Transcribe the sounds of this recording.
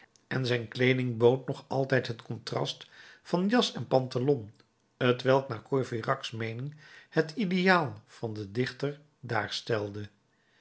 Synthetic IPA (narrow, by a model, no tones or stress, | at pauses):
ʔɛnzɛjnklejdɪŋbowtnɔχɑ̰lˠtɛjtɦətkɔntrɑ̰stfɑnjɑsɛnpɑntalɔn | ɦətʋɛlˠknaːɹkojvirɑksmejnɪŋhətidejaːlˠv̥ɑndədɪχtəɹ | daːɹstɛlˠdə